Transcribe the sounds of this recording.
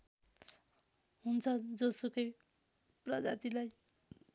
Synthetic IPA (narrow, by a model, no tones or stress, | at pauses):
ɦunt͡sʰʌd͡zʌsokʌj | prʌd͡za̰t̪ilaj